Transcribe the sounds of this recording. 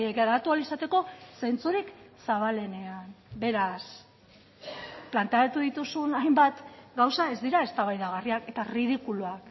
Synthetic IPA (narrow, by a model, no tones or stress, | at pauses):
ekaɾat̪ualisat̪e̞ko̞se̞nt͡suɾiksaβale̞ne̞anbe̞ɾas | plant̪eaat̪uðit̪usunajmbat̪ɡawsae̞zd̪iɾae̞st̪aβajðaɣ̞ariake̞t̪arið̞ikuluak